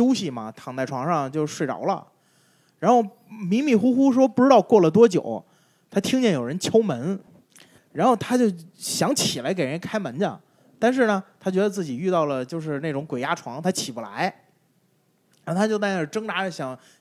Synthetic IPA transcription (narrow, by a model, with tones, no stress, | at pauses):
jo˥ʊɕi˧˨mɐ̰˩t̪ʰɑ˨˩ŋt͡s̪a˥˩ɪʈ͡ʂʰwɑ˧˥ŋʂɑ˥˧ŋt͡ɕjo˥˧ʊ˧ʂwe˥˩ɪɑ̰˨˧˥ʊlə̰˧ | ɻa˧˥nxo˥˩ʊ | mi˧˥ŋmi˧˥˩xu˥xu˥ʂ̬wɔ˥pu˥˩ʈ͡ʂɻ̩˥t̪ɑ˥˧ʊkwɔ˥˩lə˩t̪̬wɔ˥t͡ɕjo˨˩˦ʊ | t̪ʰa˥t̪ʰi˥ŋt͡ɕjɛ˥˩njo˨˩ʊɻə˧˥nt͡ɕʰjo˥ʊmə˧˥n | ɻa˧˥nxo˥˩ʊt̪ʰa˥t͡ɕjo˥˩ʊɕjɑ˧˥ŋt͡ɕʰi˨˩la˧˥ɪk̬e˨˩ɪɻə˧˥nkʰa˥ɪmə˧˥nd͡ʑə̰˥˧ | t̪a˥˧nʂ̬ɻ̩˥˩nə˩t̪ʰa˥t͡ɕɥɛ˧˥d̪ə˧t͡sɹ̩˥˩i˨˩y˥˧ɑ˥˩ʊlə˩t͡ɕjo˥˧ʊʂ̬ɻ̩˥˧ne˥˩ɪʈ͡ʂʊ˧˥ŋkwe˨˩ɪja˥ʈ͡ʂʰwɑ˧˥ŋt̪ʰa˥t͡ɕʰi˨˩bu˥˩la̰˧˥ɪ | a˥o˥˧˩t̪ʰa˥jo˥˧ʊt̪a˥˧˩ə˥˩ʈ͡ʂɤ˥ŋt̪a˧˥˧ɕjɑ˨˩˦ŋ